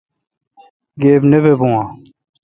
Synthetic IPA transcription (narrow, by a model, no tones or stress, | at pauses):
ɡeːbnebeːbõːãː